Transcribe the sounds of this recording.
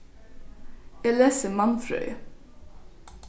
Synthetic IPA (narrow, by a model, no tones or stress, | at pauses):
ɛːleːsəmɑnfɾœ̰ʏ